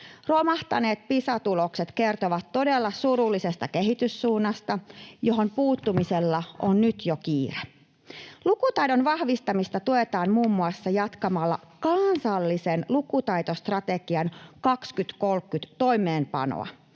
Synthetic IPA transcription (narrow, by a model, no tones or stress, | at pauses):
romɑht̪ɑne̞ːt̪̚pisɑt̪ulokset̪ke̞rt̪oʋɑt̪ːo̞delːɑsuɾulːise̞st̪ɑke̞ɦit̪ysːuːnːɑst̪ɑjoɦo̞mpuːt̪ːumiselːɑʔonnyt̪jokiːre | lukut̪ɑjdonʋɑhʋist̪ɑmist̪ɑt̪uet̪ɑːmmuːmːuɑsːɑjɑt̪kɑmɑlːɑ̰kɑnsɑlːisenlukut̪ɑjt̪ost̪rɑt̪eɡiɑnkɑkskyt̪ko̞lkːyt̪t̪o̞jmˑeːmpɑ̰no̰ɑ̰